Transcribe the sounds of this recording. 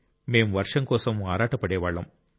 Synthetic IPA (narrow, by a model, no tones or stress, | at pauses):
meːmʋɐɾʂɐmkoːsɐmaːɾaːʈːɐpːɐɽeːʋaːɭːɐ̰m